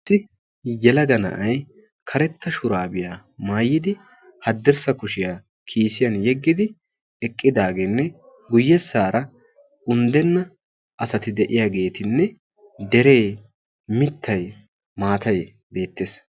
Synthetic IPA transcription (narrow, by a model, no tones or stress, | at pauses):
sːɪ | jɛlɐɡɐnɐ̰ʔɐj | kʰɐɾɛt̪ːɐʃʊɾaːbɪjaːmaːjːɪd̪ɪ | hɐd̪ːɛɾsɐkʊʃɪjaː | kʰiːsɪjɐnjɛɡːɪd̪ɪ | ɛkʼːɪd̪aːɡenːɛ | ɡʊjːɛsːaːɾɐ | ʊnd̪ɛnːɐ | ʔɐsɐt̪ɪd̪ɛʔɪjaːɡe̞ːt̪ɪnːɛ | d̪ɛɾe̞ː | mɪt̪ʰːɐj | maːt̪ɐj | be̞ːt̪ːeːs